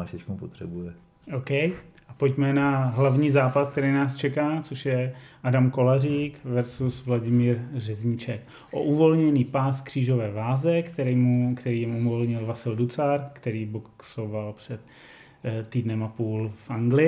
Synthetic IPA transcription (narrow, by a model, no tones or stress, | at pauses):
aʃɪt͡ʃkomupot̪r̥ɛbujɛ | ʔowkɛjʔapocmɛnaɦlavɲiːzaːpask̚t̪ɛɾinaːst͡ʃɛkaːt͡soʃjɛʔadamko̞lariːkvɛɾsusvlaɟɪmiːɾrɛzɲɪt͡ʃɛk | ʔo̰ʔuvo̞lɲɛniːpaːskr̥iːʒo̞vɛːvaːzɛkt̪ɛɾɛmukt̪ɛɾiːjɪmumolɲɪlvasɪldut͡saɾkt̪ɛɾiːboksovalpr̝̥ɛt̪ | t̪ːiːdnɛmapuːlfʔaŋɡlɪ